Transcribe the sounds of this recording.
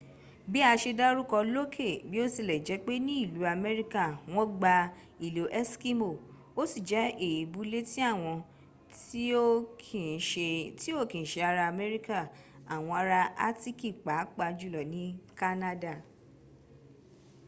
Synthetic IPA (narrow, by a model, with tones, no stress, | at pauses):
bi˦a˧ʃe˧da˦ɾu˦kɔ˧lo˦kʰe˦˨bi˦o˦si˦˨lɛ˨d͡ʒɛ˨˦k͡pe˦nĩ˦i˦˨lu˨˦a˧mɛ˦ɾi˦ka˦˨w̃ɔ̃˦ɡ͡ba˧ | i˦˨lo˨ʔɛ˦ski˦mo˦˨ | o˦si˦˨d͡ʒɛ˨˦e˦˨ji˨bu˨˦le˦ti˦a˦˨w̃ɔ̃˧ | ti˨˦˧ti˦o˦˨kĩ˨ʃe˧a˧ɾa˧a˧˨mɛ˦ɾi˦ka˦˨a˨w̃ɔ̃˧a˧ɾa˧a̰˦ti˦ki˦˨k͡pa˨˦k͡pa˧d͡ʒu˦˨lɔ˨nĩ˦ka˦na˦da˦˨